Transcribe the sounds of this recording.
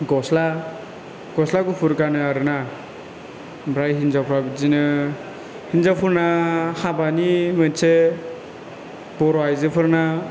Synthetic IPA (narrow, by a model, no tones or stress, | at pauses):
ɡɔsla | ɡ̥ɔslaɡupʰuɾkanɯaɾɯna | bɾajɦinzapʰɾabizinɯ | hinzapʰuɾnahabanimɯnsʰe | bɔɾɔajzɯpʰɯɾna